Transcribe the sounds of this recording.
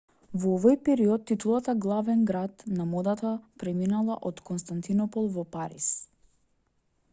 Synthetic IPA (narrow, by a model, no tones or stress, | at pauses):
vɔɔvɔjpɛɾiɔt̪ːit̪ulˠat̪aɡlˠavɛnɡɾat̪namɔd̪at̪apɾɛminalˠa̰ʔɔt̪kɔnst̪ant̪inɔpɔlˠvɔpaɾḭs